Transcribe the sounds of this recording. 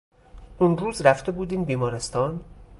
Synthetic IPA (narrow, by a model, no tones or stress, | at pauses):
unruːzɾæft̪e̞buːd̪iːnbiːmɒːɾe̞st̪ʰɒːn